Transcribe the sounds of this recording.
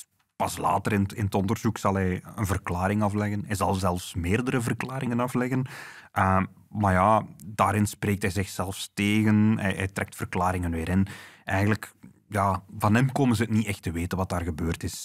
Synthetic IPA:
pɑsla̰ːtəɾɪnətɪnətɔndərzuksɑlˠɦɛjənvərklaːɾɪŋɑflɛɣənɦɛjzɑlˠzɛlˠfsmeːrdəɾəvərklaːɾɪŋənɑflɛɣənʔə | maːrjaːdaːɾɪnspreːk̚tɦɛjzɪxsɛlˠfsteːɣənɦɛ̰jɛ̰jtrɛk̚tfərklaːɾɪŋənʋɪːɾɪnʔɛjɣənlək | jaːvɑnɦɛmkoːmənzəətniʔɛxtəʋeːtənʋɑt̚daːrɣəbøːrtɪs

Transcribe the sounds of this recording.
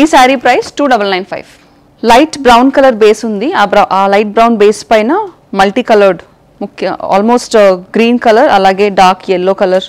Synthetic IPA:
isaːɾipɾɐjsʈuːɖɐbɐlnɐjnpʰɐ̰jʋ | lɐjʈbɾɐwnkɐlɐɾbeːsund̪iɐʔaːlɐjʈ̚bɾɐwnbeːspɐjnɐ | mɐlʈiːkɐlɐɾɖ | mukʰːjɐa̰ːlmoːsʈɡɾiːnkɐlɐɾɐlaːɡe̞ːɖaːɾkɛlːoːkɐlɐɾ

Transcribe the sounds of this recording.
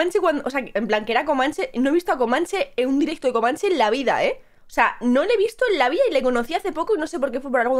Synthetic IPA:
ant͡ʃekwand̪ooseakeemplaŋkeeɾako̞mãnt͡ʃe̞noe̞βist̪oako̞mãnt͡ʃe̞eund̪iɾek̚t̪oðeko̞mãnt͡ʃe̞nlaβ̞iða̰e̞ | oseano̞leβ̞ist̪oenlaβ̞iðaile̞ko̞no̞θiaθe̞po̞koino̞se̞p̬o̞ɾk̬e̞fwepo̞ɾalɣo

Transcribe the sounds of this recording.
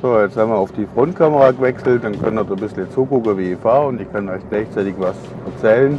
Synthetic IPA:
soːjɛt͡shamːaʊfd̥iːfʁ̥ʊntkʰaməʁaːɡəvɛksl̩t̚d̥ankʰandədbɪslət͡suːɡʊkəviːfaːʊndɪkʰanɔʏçɡ̥laɪçt͡saɪtɪçvas | ɛɐt͡sɛːlən

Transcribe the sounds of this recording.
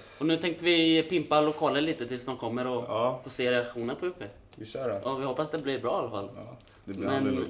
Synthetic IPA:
ɔnʉ̟ːt̪ʰɛŋk̚t̪əvɪpɪmpalʊkʰɑːlːəliːt̪ət̪ʰɪlsnɔnkʰɔmːəɾɔfoːseːɾɛakɧuːnəɾpʰɔjʊkːe | ʔɔvɪhɔpːasd̪ɛblɪɾbɾɑːalːafa̰lː | d̪mɛnn

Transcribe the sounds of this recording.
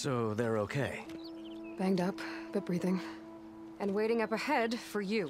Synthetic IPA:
soʊðə˞oʊkʰeɪ | b̥æ̃ŋdʌpb̥ʌt̚b̥ɹiðɪ̃ŋ | ɨ̃nweɪɾɪ̃ŋʌpɨhɛdfə˞jʉ

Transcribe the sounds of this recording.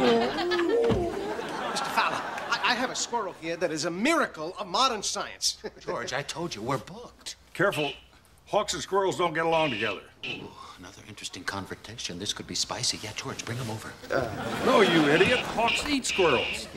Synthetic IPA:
mɪstəfaləaɪʔaɪɨvɨskwɜ˞l̩ˠhiɹðɨɾɨzɨmɪɹɨkl̩ˠʌvmɑɾə̃˞nsaɪɨ̰̃nsd͡ʒ̥ɔɹd͡ʒaɪtʰoʊlˠd͡ʒɨwɪɹbʊk̚tkʰɛɹfl̩ˠ | hɔksə̃nskwɜ˞l̩ˠzdõʊ̃nɡɛɾəlɔ̃ŋtɨɡɛðə̰˞oənʌðə̰˞ʔɪ̃nt͡ʃɹ̥ɨstɪ̃ŋkʰɑ̃ɱvə˞tʰeɪʃɨ̃nðɪskʰɨd̚bispaɪsijɛtd̥ʒ̥ɔɹ̥d͡ʒbɹɪ̃ŋə̃moʊvə̰˞noʊjɨɪɾiɨt̚hɔksitskwɜ˞l̩ˠz̥

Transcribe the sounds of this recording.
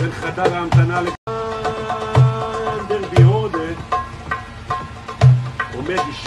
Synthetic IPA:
enχad̪aʁaamt̪anale | nd̪eʁbiod̪ed̪ | omed̪iʃ

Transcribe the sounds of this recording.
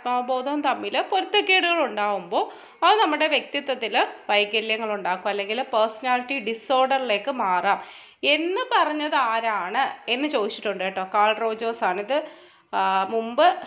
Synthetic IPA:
maːʋɐbo̞ːd̪ɐmt̪ɐmːilpo̞ɾut̪ːɐkːeːɽuɣɐɭuɳɖaːɣumbo̞ː | ɐðɨnɐmːuɽe̞ʋjek̚t̪it̪ːwɐt̪ːilʋɐjkɐljɐŋːɐɭuɳɖaːkːumɐlːe̞ŋɡilpɐrsɐnaːliʈːiɖiso̞ːrɖɐrile̞ːkːɨmaːraːm | e̞nːɨpɐrɐɲːɐðaːɾaːɳɨe̞nːɨt͡ɕo̞ːðit͡ɕːi̥ʈːuɳɖaːjʈːoːkaːɭro̞ːd͡ʑoːsaːɳiðɨ | mumbɨ

